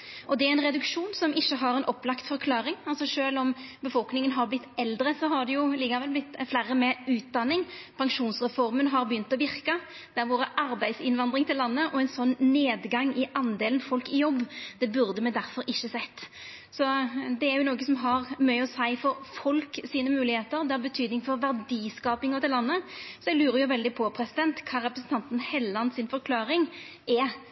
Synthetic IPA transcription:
ʔɔd̪ɛæɾɛnʁɛd̪ʉkʂuːnsɔmɪçːəɦɑɾɛnʔɔpːlɑkt̪fɔɾkʰlɑːɾɪŋɑlsɔʂøːlɔmbəfɔlknɪŋənɦɑɾblɪt̪ːɛld̪ɾəsɔɦɑd̪ɛjʊliːɡɑʋɛlblɪt̪ːflæːɾəmɛʉːt̪̚d̪ɑnːɪŋpʰɑŋʂuːnsʁɛfɔɾmənɦɑɾbəjʏnt̪ɔʋɪɾkə | d̪̥ɛɾʋoːɾəʔɑɾbæɪsɪnʋɑnd̪ɾɪŋt̪ʰɪlːɑnːəʔɔɛɪnsɔnːneːd̪ɡɑŋːɪʔɑnd̪eːln̩fɔlkɪjɔbːd̪̥ɛbʉɾd̪əmɛd̪æɾfɔɾɪçːəsɛt̪ː | sɔd̪ɛæɾjʊnoːɡəsɔmɦɑʁmœʏɔsæɪfɔɾfɔlksiːnəmʉːlɪheːt̪əɾd̪ɛhɑɾbət̪ʰyːd̪nɪŋfɔɾʋæɾd̪iːskɑːpɪŋɔt̪ʰɪllɑnːəsɔɛɡlʉːɾəɾjʊʋɛld̪ɪpʰɔpʰɾɛsɪd̪ɛnt̪kʰɑːɾɛpɾəsn̩t̪ʰɑnt̪n̩hɛlːəɑnsɪnfɔɾkʰlɑːɾɪŋ | ʔɛ

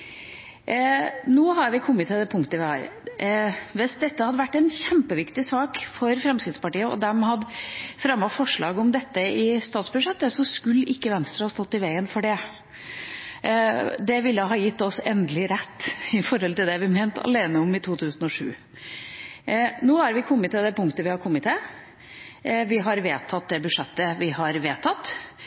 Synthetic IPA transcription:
noːɦɑɾʋɪkʰɔmːət̪ʰːɪld̪ɛpʰʊŋkt̪əʋɪhɑ̰ːɾ | ʋɛsd̪ɛt̪ːəhɑd̪əʋæʈːɛɪnçɛmpəʋɪkt̪ɪsɑːkfɔɾfɾɛmskɾɪt̪spɑʈiːəɔ̰d̪ɛmhɑd̪fɾɑmːɔfɔʂɭɑːɡəɔmd̪ɛt̪ːəɪst̪ɑːt̪sbʉʂɛt̪ːəsɔskʉlːʔɪkːəʋɛnst̪ɾəhɑːst̪ɔt̪ːɪʋæɪənfɔɖɛ | d̪ɛʋɪlːəɦɑːjɪt̪ːɔsɛnd̪əlɪɾɛt̪ːɪfɔɾɦɔlt̪ɪld̪ɛʋɪmɛːnt̪ʰɑ̰leːnəɔmɪt̪ʰuːt̪ʰʉːsn̩ɔʂʉ̰ː | noːæɾʋɪkʰɔmːət̪ʰːɪld̪ɛpʊŋkt̪əʋɪhɑɾkʰɔmːət̪ʰɪl | ʋɪɦɑɾʋeːt̪ʰɑt̪̚d̪ɛbʉʂɛt̪ːəʋɪɦɑɾʋeːt̪ʰɑt̪ː

